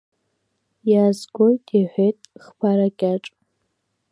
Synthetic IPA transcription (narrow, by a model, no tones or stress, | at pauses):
jazɡʷojtʰʼiħʷetʼχpʰaɾakʲʼaʈ͡ʂʼ